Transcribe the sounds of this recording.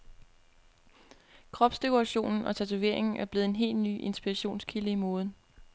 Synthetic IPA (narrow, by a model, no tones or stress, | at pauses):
kʰʁɒ̽b̥sd̥e̝kʰoʁɑɕo̝̰ːnn̩ɒ̽t͡sʰæt͡sʰuʋe̝̰ɐ̰eŋn̩æɐb̥le̝ːð̩ˠe̝nɦe̝̰ːlny̰ːʔe̝nsb̥iʁɑɕo̝̰ːnskʰiləimɔ̽ːð̞̩ˠ